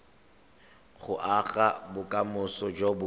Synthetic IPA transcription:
χʊʔaɣabʊkʼamʊsɔd͡ʒobʊ

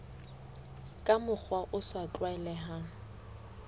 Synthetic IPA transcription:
kʼamʊk͡xʰwaʔʊsat͡ɬʼwaɛlɛɦa

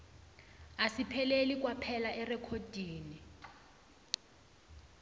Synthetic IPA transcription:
asipʰɛlelik̬ʼwapʰɛlaʔɛrɛkʰod̥ʱiːni

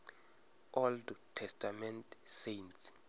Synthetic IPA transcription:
ʔɔldtʰɛstʰʼamɛntʰsejnts

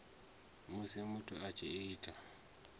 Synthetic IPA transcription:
musemutʰuat͡ʃʰeiːtʰa

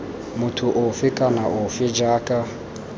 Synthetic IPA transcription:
mutʰuʔɔfikʼanaʔofid͡ʒaːkʼa

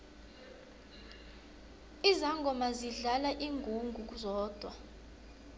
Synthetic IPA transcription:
izaŋɡʱɔmaziɮalaʔiŋɡʱuŋɡʱuk̬ʼuzɔːd̥ʱwa

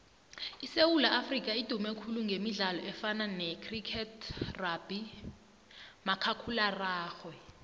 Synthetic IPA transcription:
isewulaʔafrik̬ʼaid̥ʱumɛkʰuluŋɡʱemiɮalɔɛfananɛkʰrikʰɛtʰrab̥i | makʰakʰularaːxwɛ

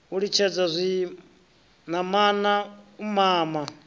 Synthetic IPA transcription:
uɺit͡ʃʰɛd͡zazʷi | namanaumaːma

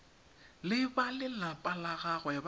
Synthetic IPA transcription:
lɪbalɪlapʼalaɣaɣɔjab

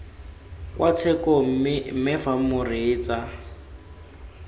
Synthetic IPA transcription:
kwat͡sʰɛkɔmɪfamʊrɪːt͡sʼa

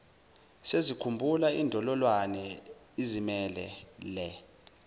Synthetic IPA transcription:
sezikʰumbʱulaiːndʱɔlɔlwanɛ | izimɛlɛ̰lɛ

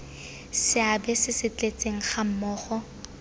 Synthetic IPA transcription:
sɪabɛsɪsɪt͡ɬʼet͡sʼeŋ̩χam̩mɔːχɔ

